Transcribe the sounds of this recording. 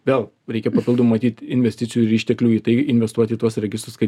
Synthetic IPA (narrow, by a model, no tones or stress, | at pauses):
ʋʲeːlˠ | ɾʲɛɪkʲɛpɐpʲɪlˠd̪ommɐt̪ʲiːt̪ʲɪnʲʋʲɛsʲt̪ʲɪtsʲɪjuɪɾɪːʃʲt̪ʲɛklʲuːiːt̪ɐɪɪnʲʋʲɛst̪uɔt̪ʲiːt̪uɔsɾʲɛɡʲɪst̪ɾʊskɐɪ